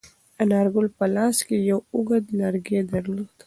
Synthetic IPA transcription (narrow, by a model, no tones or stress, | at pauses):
ɐnaːɾɡulpɐlaːskejowuɡəd̪lɐɾɡed̪ɐɾult̪